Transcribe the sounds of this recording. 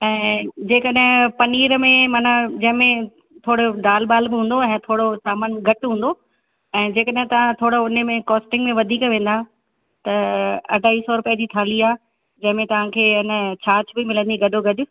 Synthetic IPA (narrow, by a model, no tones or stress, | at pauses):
ɛ̃ːd͡ʑeːkəɗɪ̃pɐniːɾmẽmaːnad͡ʑɐ̃ɦɪ̃mẽ | t̪ʰoːɽoɖaːlbaːlbɪɦũːn̆d̪oɛ̃ːt̪ʰoːɽosaːmənɡʱɐʈɦũːnd̪o | ɛ̃ːd͡ʑeːkəɗɦɪ̃t̪ɐʋ̤ãt̪ʰoːɽoʊnəmẽkɔːsʈɪ̃ŋɡmẽʋɐd̪ʱiːkʋẽːn̆d̪a | t̪ɐɐ̰ɖʱaːiːsɔɾʊpijəd͡ʑiːt̪ʰaːliaː | d͡ʑɐ̃ɦɪ̃mẽt̪ɐʋ̤ãkʰeːɪnət͡ɕʰaːt͡ɕbɪmɪlə̃nd̪iɡɐɖʱoɡɐɗʊ